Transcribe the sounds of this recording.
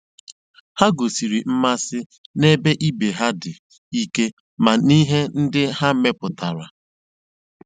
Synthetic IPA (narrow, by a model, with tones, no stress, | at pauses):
ha˦ɡo˨si˨ɾi˨m̩˦ma˦sɪ˦ | ne˦be˦ʔi˦be˨ɦa˦dɪ˨ | i˦ke˦ | ma˨ni˦ɦe˦n̩˦dɪ˦ɦa˦me˦pʊ˨ta˨ɾa̰˨